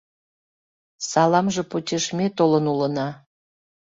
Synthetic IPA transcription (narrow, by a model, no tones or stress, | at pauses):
sɑlɑmʒĕpotʲeʃmʲet̪olənulə̆nɑ